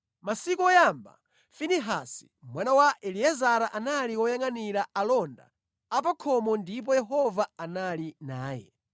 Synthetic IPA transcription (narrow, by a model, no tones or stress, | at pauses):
masikuɔjamba̰ | finiɦasi̥ | mwanawaʔɛliɛzaɾaʔanaliwɔjaŋaniɾaalɔnda̰ː | p̬akʰɔmɔndip̬ɔjɛɦɔvaanalinaːjɛ̰